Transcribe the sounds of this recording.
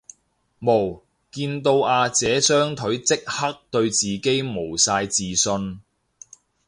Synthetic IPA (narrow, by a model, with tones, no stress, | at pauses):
mo˨˩w | kiː˧nt̪o˧waː˧t͡sɛː˨˥sœː˥ŋt̪ʰɵ˨˥ɥt͡sɪ˥k̚hɐ˥k̚t̪ɵ˧ɥt͡siː˨˩ke˥jmo˨˩wsaː˧jt͡siː˨sɵ˧n